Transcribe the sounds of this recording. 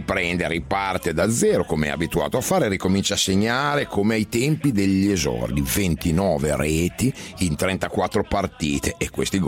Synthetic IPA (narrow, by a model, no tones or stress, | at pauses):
pɾɛnd̪eɾipart̪ed̪ad̪zːɛːɾokomeɛ̰a̰bit̪ua̰ːt̪oafaːɾeɾikomint͡ʃaseɲːaːɾekʰomeajt̪ɛmpid̪eʎːiezɔ̰rd̪ivent̪inɔːveɾɛːt̪iːnt̪ɾɛnt̪akwat̪ːɾopart̪iːt̪ʰeʔːkːwḛst̪iɡ